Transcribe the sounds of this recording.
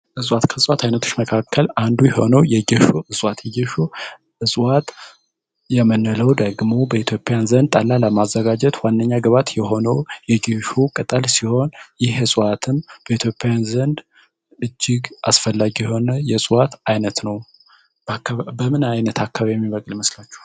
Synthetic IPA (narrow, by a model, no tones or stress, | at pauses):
ʔɨsʼwat̪kʰəsʼwat̪ʰajnət̪ʰo̥t͡ʃːməkʰakʰːəlʔand̪ujɛho̞̰nəwjɛɡeʃoɨsʼwat̪jɛɡɛʃo | ɨsʼwat̪ | jɛmənːələwd̪əɡmo̞bəit̪ʰjo̞pʼːjanzənd̪̚t̪ʼalːaləmazːəɡad͡ʒɛt̪wanːəɲːaɡəβat̪jɛho̞nəwjɛɡeʃokʼət̪ʼəlsiho̞njɪhɨsʼwat̪ʰɨmb̥əit̪ʰjo̞pʼːejanzənd̪ | ɨd͡ʒːɪɡa̰sfəlːaɡijɛho̞nəjɛsʼwat̪ajnət̪nəw | bəmɨnajnət̪ʰakːaβajɛmːiβəkʼlməslat͡ʃːɛ̥h